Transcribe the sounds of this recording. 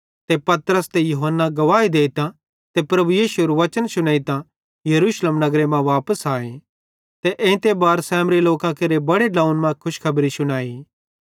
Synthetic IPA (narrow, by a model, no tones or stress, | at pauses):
t̪epɐt̪ɾəst̪ejʊɦənːaɡɐʋaːid̪eːt̪ã | t̪epɾɐbujiːsuɾʋɐt͡ʃənsʊɽ̃aːit̪ã | jɐɾuːʃleːmnɐɡɾemɛ̃ʋaːpəsaːe | t̪eʔẽːt̪ebaːɾsɛːmɾiloːkãkɐɾebɐɽeɖãːũnmãkʰʊʃkʰɐbɾisʊɽ̃aːi